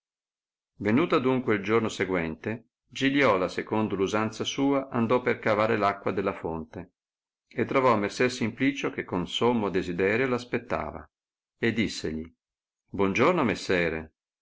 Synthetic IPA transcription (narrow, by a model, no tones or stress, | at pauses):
venuːt̪ad̪uŋkweild͡ʒornoseɡwɛnt̪e | d͡ʒiljɔːlasekond̪oluzant̪sasuːaʔand̪ɔperkavaːɾelakːwad̪elːafont̪e | et̪ːɾovɔmːesɛɾsimpliːt͡ʃokekːonsomːod̪ezid̪ɛːɾjolaspet̪ːa̰ːva̰ | ed̪ːisːḛʎi | bwɔnd͡ʒornomesːɛːɾe